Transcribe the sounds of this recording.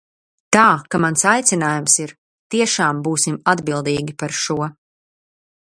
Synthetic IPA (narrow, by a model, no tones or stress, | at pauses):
t̪aːkamansajt̪sʲinaːjumsiɾ | t̪iɛʃaːmbuːsimad̪bilˠd̪iːɡʲipaɾʃuɔ